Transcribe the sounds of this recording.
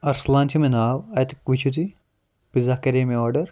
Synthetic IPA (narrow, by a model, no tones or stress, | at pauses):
ɐɾslãːnt̪ʰimenaːʋɐt̪ikʋit͡ʃʰut̪i | pizɐkɐɾeːmiɔːɾɖɐɾ